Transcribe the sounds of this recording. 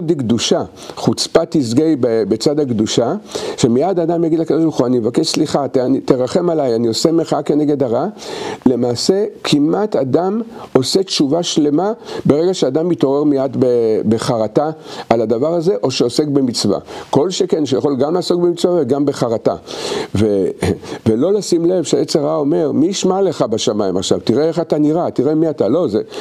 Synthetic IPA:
d̪eɡduʃa | χut͡spat̪izɡejbebet͡sadaɡd̪uʃaʃemijadad̪amjaɡid̪lakad̪oʃbaʁxuanimevakeʃsliχatnit̪eʁaχe̞malajaniosemeχake̞neɡe̞d̪aʁale̞maːse̞kʰimʔatadamo̞se̞tʃuvaʃle̞mabe̞ʁeɡaʃead̪amito̞ʁeʁmijad̪bebeχaʁataalad̪avaʁaze̞ʔo̞ʃeose̞kbe̞mit͡sva̰ko̞lʃekenʃejaχo̞lɡamlaːso̞kbemit͡svaveɡambe̞χaʁata̰vevelo̞lasimle̞vʃeajet͡seʁao̞me̞ʁmiʃmale̞χabeʃamaima̰χʃa̰vtiʁeeχataniʁatiʁemiatalo̞ze

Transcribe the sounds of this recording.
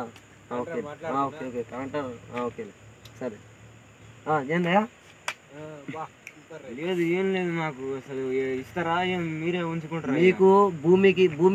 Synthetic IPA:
oːkeaoːkeoːkekaːɳʈaaoːkːelesɐɾ | aːeːnd̪ɐjaː | leːd̪uinleːd̪unaːkuɐsɐlist̪ɐɾaːeːnmiːɾeːuɲt͡ʃukoɳʈɾamiːkubʱuːmik̬ibʱuːm

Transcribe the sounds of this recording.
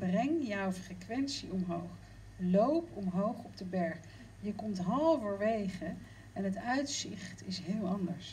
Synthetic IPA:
b̥rɛŋjawfrekʋɛnsiɔmɦowχ | lowpɔmɦowχɔb̚dəbɛɹχ | jəkɔmtɦɑlˠvəɹʋejχə | ɛnɦətœɥtsɪχtɪsɦɪːlˠɑndəɹs

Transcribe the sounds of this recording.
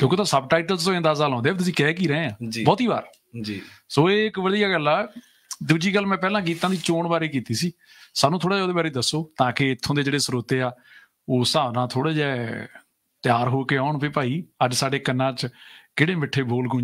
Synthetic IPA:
t̪oːkoːt̪ãːsəbʈaːɪʈəlst̪oːẽːd̪aːsaːlãːnd̪eːbet̪ʊsĩːkɛːkiːɾɛẽːãːd͡ʒbɔːt̪iːba̰ːɾ | d͡ʒisoːeːɪkʋəd̪ijaːɡəlːaː | d̪uːd͡ʒiːɡəlːmɛ̃ːpɛːlãːk̬iːt̪ãːd̪iːt͡ʃoːɳbaːɾiːkiːt̪iːsiː | saːnũːt̪ʰoːɽaːd͡ʒɛːod̪eːbaːɾeːd̪əsːoːt̪ãːkɪɪt̪ʰːõːd̪eːd͡ʒeːɽeːsɾoːt̪eːaː | oːsaːnãːt̪ʰoːɽeːd͡ʒɛː | t̪ɪjaːɾɦoːkeːaːʊɳpeːpaːiːəd͡ʒsaːɖeːkənːãːt͡ʃkeːɽeːmɪʈʰːeːboːlɡʊ̃

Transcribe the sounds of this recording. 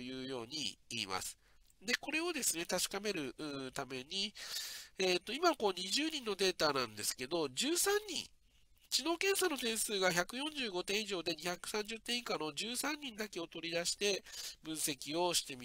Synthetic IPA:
ojɯ̟ːjo̞ːɲ̟ḭḭːma̰sɨ̥ | d̪e̞ko̞ɾe̞o̞d̪e̞sɨne̞t̪aɕi̥kame̞ɾɯ̟ʔɯt̪ame̞ɲ̟i | eːt̪ːo̞imako̞ːɲ̟iʑɨːɲ̟ĩnːo̞d̪e̞ːt̪aːnãnd̪e̞sɨ̥ke̞d̪o̞d͡ʑɨːsãɲɲːḭ̃ŋ | t͡ɕino̞ːkẽ̞ɰ̃sano̞t̪ẽ̞ɰ̃sɨːɡaçakɯ̟jõ̞ɲd͡ʑɨːɡo̞t̪ẽ̞ɰ̃iʑo̞ːd̪e̞ɲ̟içakɯ̟̥sãɲ̟d͡ʑɨt̪ːẽ̞ikano̞d͡ʑɨːsãɲ̟ːĩnd̪ake̞o̞t̪o̞ɾʲid̪aɕi̥t̪e̞bɯ̟̃ɰ̃se̞kʲio̞ɕi̥t̪e̞mʲi

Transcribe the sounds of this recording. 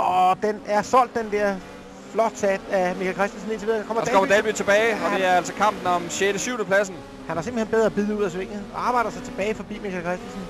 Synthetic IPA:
ɒd̥enæɐsɒ̽l̰d̥ːend̥ɛɐ̰ | flɒ̽d̥sæd̥æmikʰælkʰʁɛsd̥ænsn̩e̝nt͡sʰiʋið̰ˠkʰɒ̽m̰ɐ̥kɒmɐd̥ɛlb̥yt͡sʰe̝b̥ɛːɪɒd̥e̝æɐæl̰sɒkʰɑ̈m̰b̥n̩ɒmɕeɾ̥əsyʊnəpʰlæs̬n̩ | hænhæse̝mb̥l̩henb̥eð̞ˠʁɐːb̥yð̞ˠəuð̰ˠæs̬ʋeŋ̰əɒ̽ɑ̈ːb̥ɑ̈ɪɾ̥ɐsɑ̈ɪt͡sʰe̝b̥ɛːɪfɒ̽b̥ḭːmikʰælkʰʁɛsd̥ænsn̩

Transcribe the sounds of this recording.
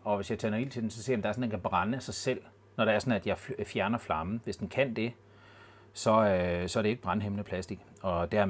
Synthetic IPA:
ɒ̽ʋe̝sjɑ̈ɪt͡sʰæɐnoil̰t͡sʰe̝densɒsḛɐ̰jmd̥ɑ̈ɐɔ̽ndenkʰæb̥ʁɑnəsɑ̈ɪsel̰ | nɒɾ̥eæɐsɒ̽næd̥jɑ̈ɪffjæɐnɐflɑ̈mn̩ʋesd̥enkʰæn̰d̥e̝ | sɒ̽sɒ̽æɐɾee̝ɡ̥̚b̥ʁɑ̈nɦemnəpʰlæsd̥iɡ̥ | ɒ̽d̥æɐ

